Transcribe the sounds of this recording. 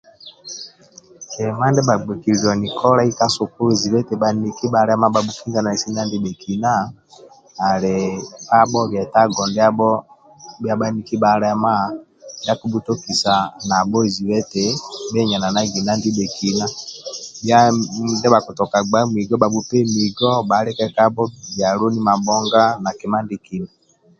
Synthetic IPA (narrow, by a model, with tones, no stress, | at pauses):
ɛ˨ma˦ndɛ˦ba˨ɡ͡bɛ˨ki˨ɔ˨ni˨kʰɔ˦ɾa˦i˦ka˦su˨ku˦e˨zi˨βɛ˦tɛ˨ba˨ni˦ki˦ba˨ɾɛ˦ma˦ba˨bu˦ki˦nɡa˦na˨i˨si˦na˦ndi˦be˨kʰi˨na˦ | a˨ɾɛ˨a˦ɓɔ˦bjɛ˨ta˦ɡɔ˨ndɛ˦a˦bɔ˦ | bja˦ba˦ni˦ki˦ba˨ɾɛ˦ma˦˨ | bja˦ku˨˦bu˦to˦ki˨sa˨na˨bɔ˦i˨zi˨wɛ˦te˨bɛ˦ɲa˨na˨na˦ɡi˨na˦ndi˦be˨ki˨na˦bja˦ndɛ˦ba˨ku˨tɔ˨ka˨ɡ͡ba˦m˨i˨ɡɔ˦ba˨bu˦pɛ˦mi˨ɡɔ˦ba˨˦lɛ˦kɛ˦ka˦bɔ˦bja˨ɾo˦ni˦ma˨bɔ˦ŋɡa˦na˨kɛ˨ma˦ndi˦ki˨na˨